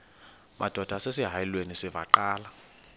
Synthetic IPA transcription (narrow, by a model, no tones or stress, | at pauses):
mʔa̰d̥ʱɔd̥ʱasesiɦajilwenisiva̰ǃaːla